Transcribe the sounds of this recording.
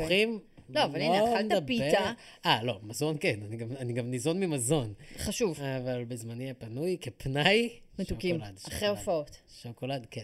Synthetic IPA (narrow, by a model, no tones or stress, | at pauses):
χimloavalinald̪aabpiea | ʔalo̞mazo̞nkenaniɡamaniɡamnizo̞nmimazo̞nχaʃuvavalbezmaniapanujkepnaj | meʃt̪ukimlad̪aχʁeofaot̪ʃokolad̪ken